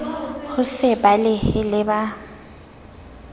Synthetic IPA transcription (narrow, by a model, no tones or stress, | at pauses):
ɣʊsɪbalɪhɪlɪba